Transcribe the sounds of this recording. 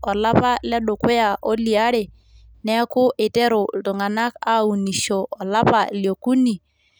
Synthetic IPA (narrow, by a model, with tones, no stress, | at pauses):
ɔ˨la˦pa˦lɛ˦ɗʊ˨kwe˦ja˨ʔo˦li˨a˦ɾe˨ | nɛ˦kʊ˦ʔe˨tɛ˦ɾʊ˨tʊ˨ŋa˨na˦ka˦u˨ni˨ʃoː˨la˦pa˨ljo˨ku˦ni˨